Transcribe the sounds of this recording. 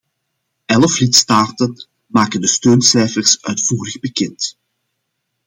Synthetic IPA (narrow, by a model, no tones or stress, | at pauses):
ɛlflɪtstaːtən | maːkəndəstøːnsɛjfərsœ̰ɥtfuːɾəɣbəkɛnt